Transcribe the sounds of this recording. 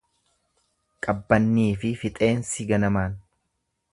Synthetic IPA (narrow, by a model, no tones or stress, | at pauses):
kʼɐbːɐnːiːfɪfɪt̪ʼe̞ːnsɪɡɐnɐmaːn